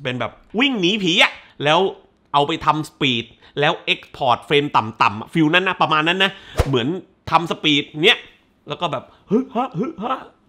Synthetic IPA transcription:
pe˧nbɛː˨˩p̚wi˥˩ŋniː˦˥pʰiː˨˦ʔa˨˩ʔ | lɛː˦˥w | ʔa˧wpa˧jt̪ʰa˧msḁpiː˨˩t̪̚ | lɛː˦˥wʔe˦˥k̚spʰɔː˨˩t̪̚fɾeː˧mt̪a˨˩mt̪a˨˩mʔa˨˩fi˧wna˦˥˩nːa˦˥˩pɾa˧maː˧nːa˦˥nːa˦˥mɯ˩˦ən | t̪ʰa˧msa˧piː˨˩t̪̚ni˦˥ɐʔ | lɛː˦˥kɔː˥˩bɛː˨˩p̚hɯ˦˥ha˦˥hɯ˦˥ha˦˥˩

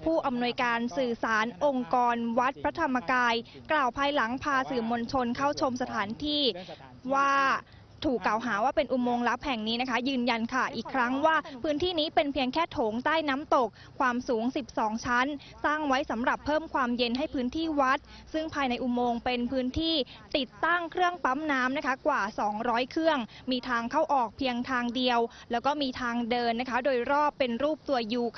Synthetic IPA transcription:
pʰuː˥˩ʔa˧mnu˧əjkaː˧nsɯː˨˩saː˩˦nʔo˧ŋkɔː˧nwa˦˥t̪̚pʰɾa˦˥t̪ʰa˧mːa˧kaː˧jklaː˨˩wpʰaː˧jla˩˦ŋpʰaː˧sɯː˨˩mo˧nt͡ɕʰo˧nkʰa˥˩wt͡ɕʰo˧msa˧t̪ʰaː˩˦nt̪ʰiː˥˩ | waː˥˩ | t̪ʰuː˨˩kːla˨˩wɦaː˩˦waː˥˩pe˧nʔu˧moː˧ŋla˦˥p̚hɛ˨˩ŋniː˦˥na˦˥kʰa˦˥jɯː˧nja˧nkʰa˥˩ʔiː˨˩kʰɾa˦˥ŋwaː˥˩pʰɯː˦˥nt̪ʰiː˥˩niː˦˥pe˧npʰi˧əŋkʰɛː˥˩t̪ʰoː˩˦ŋt̪aː˥˩jnaː˦˥mt̪o˨˩k̚ʰːwaː˧msuː˩˦ŋsi˨˩p̚sɔː˩˦ŋt͡ɕʰa˦˥n | saː˥˩ŋwa˦˥jsa˩˦mɾa˨˩pʰːɤː˥˩mkʰwaː˧mje˧nɦa˥˩jpʰɯː˦˥nt̪ʰiː˥˩wa˦˥t̪̚sɯ˥˩ŋpʰaː˧jna˧jʔu˧moː˧ŋpe˧npʰɯː˦˥nt̪ʰiː˥˩t̪i˨˩t̪ːa˥˩ŋkʰɾɯ˥˩əŋpa˦˥mnaː˦˥mna˦˥kʰa˦˥kwaː˨˩sɔː˩˦ŋɾɔː˦˥jkʰɾɯ˥˩əŋmiː˧t̪ʰaː˧ŋkʰa˥˩wʔɔː˨˩k̚pʰi˧əŋt̪ʰaː˧ŋdi˧əwlɛː˦˥wkɔː˥˩miː˧t̪ʰaː˧ŋdɤː˧nːa˦˥kʰa˦˥doː˧jɾɔː˥˩pːe˧nɾuː˥˩p̚t̪u˧ɐjuː˨˩kʰ

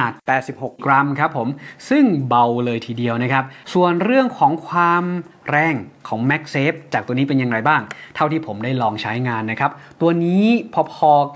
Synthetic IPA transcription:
aː˨˩t̪̚pɛː˨˩t̪̚si˨˩p̚ho˨˩k̚kɾa˧mkʰa˦˥pʰːo˩˦msɯ˥˩ŋba˧wlɤː˧jt̪ʰiː˧di˧əwna˦˥kʰa˦˥p̚su˨˩ənɾɯ˥˩əŋkʰɔː˩˦ŋkʰwaː˧mɾɛː˧˩ŋkʰɔː˩˦ŋmɛ˦˥k̚seː˦˥p̚t͡ɕaː˨˩k̪̚u˧əniː˦˥p̬e˧nja˧ŋɾa˧jbaː˥˩ŋt̪ʰa˥˩wt̪ʰiː˥˩pʰo˩˦mdaː˥˩jlɔː˧ŋt͡ɕʰa˦˥jŋaː˧nːa˦˥kʰa˦˥p̚t̪u˧ɐniː˦˥pʰɔ˧pʰɔː˧

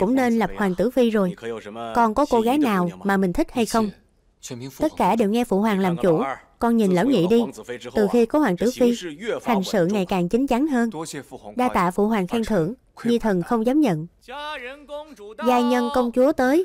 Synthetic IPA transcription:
kʊ̰˧˥ŋ͡mne˧nla˨˩p̚xwaː˨˩ŋt̪ɨ̰˧˥fi˧zo˨˩jkɔ˨˩nkɔ˨˦ko˧ɣaː˨˦jnaː˨˩wmaː˨˩mï˨˩ŋ̟t̪ʰï˦˥k̟̚ha˧jxə˧wŋ͡m | t̪ə˦˥t̚kaː˧˩ɗe˨˩wŋɛ˧fṵ˧˩hwaː˨˩ŋlaː˨˩mt͡ɕu˧˩kɔ˧nɲi˨˩nla̰ː˧˥wŋḭ˧˨ɗi˧t̪ɨ˨˩xi˧kɔ˨˦hwaː˨˩ŋt̪ɨ˧˦fi˧ha˨˩jŋ̟sɨ̰˧˨ŋa˨˩jkaː˨˩ŋt͡ɕï˨˦ŋ̟t͡ɕa˨˦ŋɦəː˧nɗaː˧t̪a̰ː˧˨fṵ˧˩ɦwaː˨˩ŋxɛ˧ŋt̪ʰɨ̰˧˩əŋ | ɲɨ˧t̪ʰə˨˩nxə˧wŋ͡mzaː˨˦mɲə̰˧˨n | zaː˧jɲə˧nkə˧wŋ͡mt͡ɕu˨˦ət̪əː˨˦j

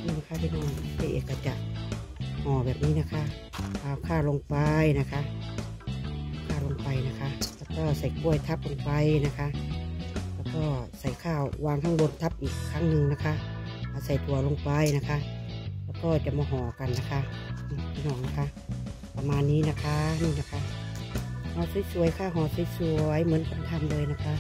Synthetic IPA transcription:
niː˧˩˨na˧kʰa˧˩t̪ʰiː˧nɔː˧˩ŋ˧t̪ʰaː˧˩˨ʔḛː˨˩kːa˧˩t͡ɕa˧˩ʔ | hɔː˨˦bɛː˨˩p̚niː˦˥na˧kʰa˧˥ʔaː˧˩kʰaː˧˩wlo˧ŋpa˧jna˧kʰa˧˥˧ | kʰaː˧˥˩wlo˧ŋpa˨˩jna˧˥kʰa˧˥ʔlɛ˧kɔː˧˩˨sa˨˩jku˧˩ə˨jt̪ʰa˧˥p̚lo˧ŋpa˨˧jna˧˥kʰa˧˥ʔ | lɛː˧˩kɔː˧˩sa˨˩jkʰaː˧˥˩wwaː˧˨ŋt̪ʰa˧ŋbo˧˨nt̪ʰa˧˥p̚ʔiː˨˩kʰːaː˧˥ŋnɯ˧ŋna˧kʰa˧˥ | ʔaː˨˧˩sa˨˩jt̪ʰu˨˦ɐlo˧ŋpa˧jna˧kʰa˧˥lɛː˧˩kɔː˧˩t͡ɕa˧˩mɔː˧ɦɔː˨˦ka˨nːa˧kʰa˧˥nɔ˧pʰiː˧nɔː˧˩ŋna˧kʰa˧˥ | pa˧maː˧nːiː˦˥˨na˧kʰa˧˥niː˧˨na˧kʰa˧˥ | hɔː˧˩su˧˦jsu˨˦ə˦jkʰaː˧˩ɦɔː˨˧˦su˧˦jsu˧əjmɯ˧˦nka˧˨nt̪ʰa˧˥˩mdɤː˧˨jna˧kʰa˧˥

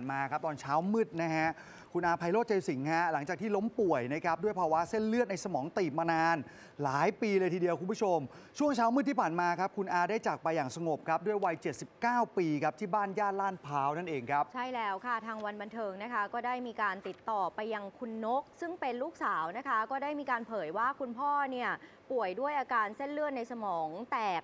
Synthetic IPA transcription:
nmaː˧kʰa˦˥p̚t̪ɔː˧nt͡ɕʰaː˦˥wmɯ˥˩t̪̚na˦˥ɦʰa˦˥ʔ | kʰu˧nʔaː˧pʰa˧jloː˥˩t̪̚t͡ɕe˧si˩˦ŋhɛ˦˥la˩˦ŋt͡ɕaː˨˩k̚t̪ʰiː˥˩lo˦˥mpu˨˩əjna˦˥kʰɾa˦˥p̚du˥˩əjpʰaː˧wa˦˥se˥˩nlɯ˥˩t̪̚na˧jsa˧mɔː˩˦ŋt̪iː˨˩maː˧naː˧n | laː˩˦jpiː˧lɤː˧jt̪ʰiː˧di˧əwkʰu˧mpʰu˥˩t͡ɕʰo˧mt͡ɕʰu˥˩əŋt͡ɕʰaː˦˥wmɯː˥˩t̪ʰiː˥˩pʰaː˨˩nmaː˧kʰa˦˥p̚kʰu˧nʔaː˧daː˥˩jt͡ɕaː˨˩k̚pa˧jːaː˨˩ŋsa˧ŋo˨˩p̚kʰɾa˦˥p̚du˥˩əjwa˧jt͡ɕe˨˩t̪̚si˨˩p̚kaː˥˩wpiː˧kʰa˦˥p̚t̪ʰiː˥˩baː˥˩njaː˥˩n̚laː˥˩npʰaː˦˥wna˥˩nʔeː˧ŋkʰa˦˥p̚t͡ɕʰa˥˩jlɛː˦˥wkʰa˥˩t̪ʰaː˧ŋwa˧nba˧nt̪ʰɤː˧ŋna˦˥kʰa˦˥kɔː˥˩daː˥˩jmiː˧kaː˧nt̪i˨˩t̪ːɔː˨˩pa˧jːa˧ŋkʰu˧nːo˦˥k̚sɯ˥˩ŋpe˧nluː˥˩k̚saː˩˦wna˦˥kʰa˦˥kɔː˥˩daː˥˩jmiː˧kaː˧npʰɤː˩˦jwaː˥˩kʰu˧npʰɔː˥˩ni˥˩ɐ | pu˨˩əjdu˥˩əjʔaː˧kaː˧nse˥˩nlɯ˥˩ət̪̚na˧jsa˧mɔː˩˦ŋt̪ɛː˨˩k̚

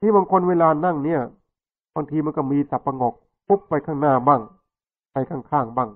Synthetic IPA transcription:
t̪ʰiː˥˩baː˧ŋkʰo˧nweː˧laː˧na˥˩ŋni˥˩ɐ | baː˧ŋt̪ʰiː˧ma˧nkɔ˥˩miː˧sa˨˩pːa˧ŋɔ˨˩k̚ | pʰo˦˥pːa˧jkʰaː˥˩ŋnaː˥˩baː˥˩ŋ | pa˧jkʰaː˥˩ŋkʰaː˥˩ŋbaː˥˩ŋ

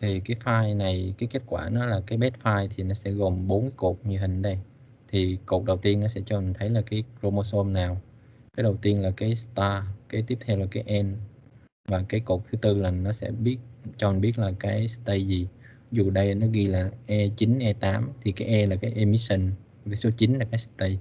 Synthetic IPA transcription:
t̪ʰi˨˩kaː˨˦jfaː˧jna˨˩jkaː˨˦jke˦˥t̚kwaː˧˩nɔ˨˦laː˨˩kaː˨˦jɓɛ˦˥t̚faː˧jt̪ʰi˨˩nɔ˨˦sɛ̰˧˥ɣo˨˩mɓo˨˦nkːko˨˩k͡p̚ɲɨ˨˩əhï˨˩ŋ̟ɗə˧j | t̪ʰi˨˩ko˨˩k̚ɗə˨˩wt̪i˧ənːɔ˨˦sɛ̰˧˥t͡ɕɔ˧mi˨˩ŋ̟t̪ʰə˨˦jlaː˨˩kaː˨˦jkɾo˧mo˧so˧mnaː˨˩w | kaː˨˦jɗə˨˩wt̪i˧ənlaː˨˩kaː˨˦jst̪aː˧kaː˨˦jt̪i˦˥əp̚t̪ʰɛ˧wlaː˨˩kaː˨˦jʔɛ˧n | vaː˨˩kaː˨˦jko˨˩k͡p̚t̪ʰɨ˨˦t̪ɨ˧laː˨˩nɔ˨˦sɛ̰˧˥ɓi˦˥ət̚t͡ɕɔ˧mi˨˩nɓi˦˥ət̚laː˨˩kaː˨˦jst̪ə˧jzi˨˩ | zu˨˩ɗə˧jnɔ˨˦ɣi˧laː˨˩ʔɛ˧t͡ɕi˨˦nʔɛ˧t̪aː˨˦mt̪ʰi˨˩kaː˨˦jʔɛ˧laː˨˩kaː˨˦jʔe˧mi˦sə˧n˨˩ | kaː˨˦jso˨˦t͡ɕi˨˦nlaː˨˩kaː˨˦jst̪ə˧j

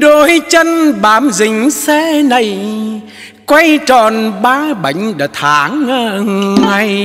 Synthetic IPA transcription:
ɗo˨˦jt͡ɕə˧nɓaː˨˦mzï˨˩ŋ̟sɛ˧˦na˨˩j | kwa˧jt͡ɕɔ˨˩nɓaː˧˦ɓa˨˦jŋ̟ɗə˨˩t̪ʰaː˨˦ŋːəː˧˨˧ŋŋa˨˧˩j

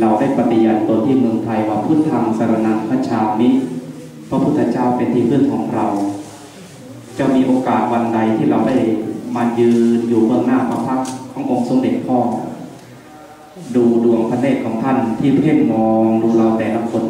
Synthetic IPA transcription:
ɾa˧wda˥˩jpa˧t̪i˨˩ənt̪o˧nt̪iː˥˩mɯ˧əŋt̪ʰa˧jwaː˧˩pʰɯː˥˩t̪ʰːa˧msa˧ɾa˧˩na˧˨npʰaː˧˥˩t͡ɕʰaː˧mi˦˥t̪̚ | pʰa˧˥pʰu˥˩t̪ʰːa˧t͡ɕaː˥˩wpe˧nt̪ʰiː˥˩pʰɯ˥˩˨nkʰɔː˩˦ŋɾa˧w | t͡ɕa˧˥˩wmiː˧ʔoː˧kaː˨˩t̪̚wa˧nda˧jt̪ʰiː˥˩ɾa˧wda˥˩jmaː˧njɯː˧njuː˨˩bɯ˥˩əŋnaː˥˩kʰɔː˧˦pʰa˦˥kʰːɔː˨˦ŋʔo˧ŋso˨˧˦le˨˩t̪̚pʰɔː˥˩ŋ˧˩ | duː˧du˧˩əŋpʰa˧leː˥˩t̪̚kʰɔː˨˩˦ŋt̪ʰa˥˩nt̪ʰiː˥˩pʰɾiː˥˩nmɔː˧ŋduː˧la˧wt̪ɛː˨˩na˧˩mkʰo˧n

